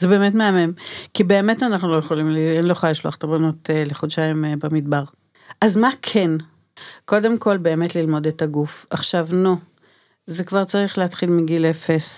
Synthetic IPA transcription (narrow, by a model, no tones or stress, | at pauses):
zebe̞ːmetmeamemkibe̞ːme̞tanaχnulojeχolimlienloχajʃlua̰χt̪eʁbanoteleχodʃaimbamidbaʁ | ʔazmakʰen | ko̞de̞mko̞lbe̞ːme̞tlilmo̞detaɡufaχʃavno | zekvaʁt͡saʁiχleatχilmiɡilefes